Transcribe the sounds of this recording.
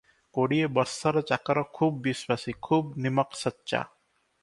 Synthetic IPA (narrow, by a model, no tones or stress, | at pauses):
koɽiebɔɾsaɾɔt͡ʃakaɾɔkʰubːiswasikʰuːbnimɔksɔtːʃa̰